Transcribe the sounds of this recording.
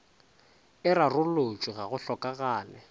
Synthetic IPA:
ɪrarʊlot͡ʃʼiɣaɣʊɬɔkʼaɣaːnɛ

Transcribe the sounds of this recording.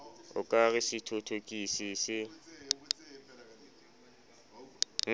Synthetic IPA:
ʊkʼaɣɪsɪtʰotʰokʼisisɪ | ŋ̩

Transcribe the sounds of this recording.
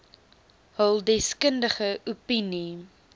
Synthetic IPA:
ɦəlˠdɛskəndəχəʔupini

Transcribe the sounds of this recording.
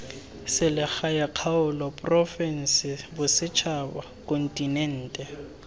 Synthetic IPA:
sɪlɪxajaq͡χʰaʊlɔpʼrɔfɛn̩sɪbʊsɪt͡ʃʰaba | kʼɔn̩tʼinɛn̩ːtʼɛ

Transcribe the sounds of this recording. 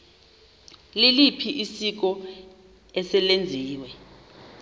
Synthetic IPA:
lilipʰiʔisik̬ɔ | ɛsɛlend͡zʱiːwɛ

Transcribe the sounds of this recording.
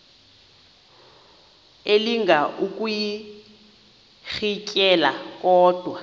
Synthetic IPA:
eliŋɡʱaʔukʼuji | ɣicʼɛlakʼɔːd̥ʱwa

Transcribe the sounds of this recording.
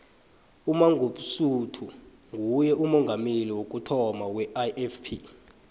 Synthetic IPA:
umaŋɡʱuɓusutʰu | ŋʱujɛumɔŋɡʱameliwok̬ʼutʰɔmawɛaʔɛfpʰi

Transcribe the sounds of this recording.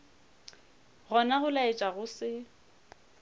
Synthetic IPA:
ɣɔnaɣʊlaɪt͡ʃʼaɣʊsɪ

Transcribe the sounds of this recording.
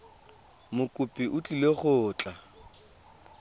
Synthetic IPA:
mʊkʼʊpʼiʔʊt͡ɬʼileχʊːt͡ɬʼa

